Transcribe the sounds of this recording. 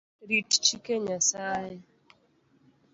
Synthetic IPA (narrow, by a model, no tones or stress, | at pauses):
ɾitt͡ʃikeɲasajɪ